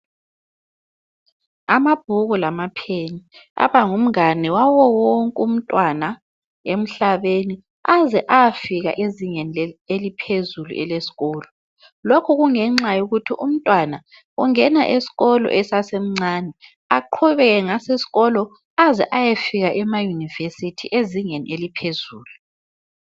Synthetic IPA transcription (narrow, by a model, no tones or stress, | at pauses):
amab̥̚ʱuɣulamapʰenia̰βaŋum̩anɛwawɔwoŋkʼum̩tʼwana | em̩ɬaβeni | azɛʔajafiɣa̰ʔeziɲɛnelipʰezulṵʔɛ̰lesi̥ɣɔːlɔ | lokʰuɣuŋɛŋ͡ǁajuɣutʰiʔum̩tʼwana | uŋɛna̰ʔesi̥ɣɔlɔ̰ʔɛsasem̩ŋ͡ǀaːnɛ | aǃʰuβɛɣɛŋasesi̥ɣɔlɔ | azɛ̰ʔajefiɣaʔɛmajunivesitʰiʔeziŋenḭʔelipʰezuːlu